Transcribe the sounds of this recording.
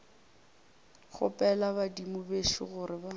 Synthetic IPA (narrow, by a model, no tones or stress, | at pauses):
χʊ̰pʼɛlabadimʊbeʃɪɣʊɾɪba